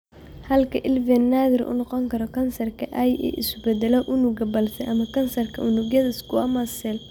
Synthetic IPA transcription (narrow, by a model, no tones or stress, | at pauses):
hɐlkʰɐʔɪlvɛnːaːðɪɾʔʊ̰nɔqɔŋkʰɐɾɔkʰɐnsɐrkʰɐʔɐjɛ̰ʔɪ̰sbɛd̪ɛlɔʔʊnʊɡɐbɐlsɛʔɐmɐkʰɐnsɐrkʰɐʔʊnʊɣjɐðɪskʰʊɐmɐsɛl